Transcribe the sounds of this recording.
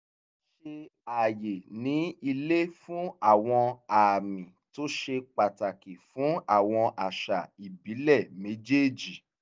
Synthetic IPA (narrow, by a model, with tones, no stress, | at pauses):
ʃe˧a˨je˨nĩ˨˦i˧le˦fũ˦a˦˨w̃ɔ̃˧a˨mĩ˨to˦ʃe˧k͡pa˨ta˨ki˨fũ˨˦a̰˦˨w̃ɔ̃˧ʔa˨ʃa˨i˨bi˨˦lɛ˦˨mẽ˨˦d͡ʒe˦d͡ʒi˨